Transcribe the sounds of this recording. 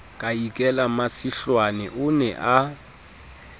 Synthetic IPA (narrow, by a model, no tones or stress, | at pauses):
kʼaikʼɛlamasiɬwanɛʔʊnɛʔa